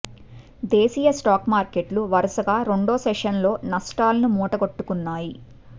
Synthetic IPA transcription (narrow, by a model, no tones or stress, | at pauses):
d̪eːsiːjɐsʈaːkmaːɾkeʈluʋɐɾɐsɐɡaːɾe̞ɳɖoːsɛʂɐnlo̞ːnɐsʈaːlɐnumuːʈɐɡoʈːukunːaːji